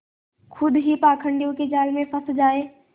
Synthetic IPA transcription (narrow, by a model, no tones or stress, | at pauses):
kʰʊd̪ɦipaːkʰə̃ɳɖijõked͡ʒaːlmẽpʰəsd͡ʒaːeː